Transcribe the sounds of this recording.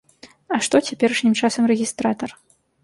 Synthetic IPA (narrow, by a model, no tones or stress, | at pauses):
ɐʂt̪ɔt͡sʲapʲɛɾɐʂnʲɲʲimt͡ʂasɐmrɛɣʲist̪ɾat̪ɐr